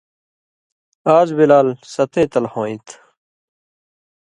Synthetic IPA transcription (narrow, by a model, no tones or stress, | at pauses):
aːzbilaːlsɐt̪ẽːt̪ɐlhõːĩt̪